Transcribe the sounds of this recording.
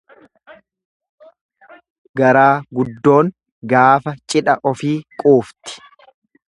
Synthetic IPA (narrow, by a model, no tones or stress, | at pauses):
ɡɐɾaːɡʊd̪ːo̞ːŋ | ɡaːfɐt͡ʃʼɪᶑɐʔɔfiːkʼuːft̪ɪ̥